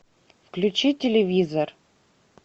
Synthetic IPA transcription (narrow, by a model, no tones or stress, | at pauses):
fklʲʉt͡ɕitʲɪlʲɪvʲizər